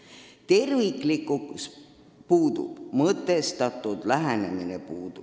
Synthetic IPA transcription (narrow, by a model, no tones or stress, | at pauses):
t̪e̞rviklikːuks | puːd̪̥ṵb̥mɤt̪ːˑe̞st̪ɑt̪ːˑud̪læɦene̞minepuːd̪̥u̥